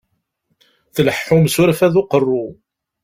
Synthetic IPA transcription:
θləħːʊmsʊɾfæðʊqərˤːʊ

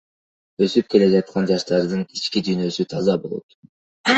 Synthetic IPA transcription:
øsyp̚kʲe̞led͡ʒɑt̪̚qʰɑnd͡ʒɑʃt̪ɑɾd̪ɯnit͡ʃkʲid̪yjnø̞syt̪ʰɑzɑbo̞lˠo̰t̪

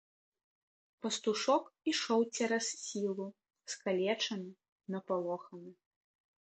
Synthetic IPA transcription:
pɐst̪uʂɔkiʂɔwt͡sʲɛɾɐsːʲilˠu | skalʲɛt͡ʂɐmʲi | nɐpalˠɔxɐnɨ

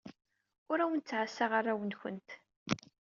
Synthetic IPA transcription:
ʊɾæwənt͡sːʕasːaʁarˤːawənçə̰nt̪

